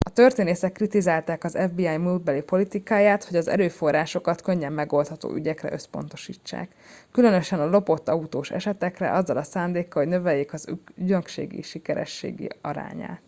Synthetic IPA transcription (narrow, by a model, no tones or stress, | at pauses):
ɒt̪ørt̪eːneːsɛkːrit̪izaːlt̪aːkɒzɛvbiːaːjmud̪bɛlipo̞lit̪ikaːjaːt̪ho̞ɟɒzɛ̰ɾøːfo̞rːaːʃo̞kɒt̪kø̞ɲːɛmːɛɡo̞lt̪hɒt̪o̰ːʔyɟɛkrɛ̰ʔøspo̞̰n̪t̪o̞̥ʃḭːt͡ʃːa̰ːkː | ylø̞nøʃɛnɒlo̞po̞t̪ːɒut̪oːʃɛ̰ʃɛt̪ɛkrɛ̰ʔɒzːɒlɒsaːnd̪eːkːɒho̞ɟnø̞vɛjːeːkɒzɟøŋkʃḛːɡḭʃikɛɾɛ̰ʃːḛːɡḭɒɾa̰ːɲa̰ːt̪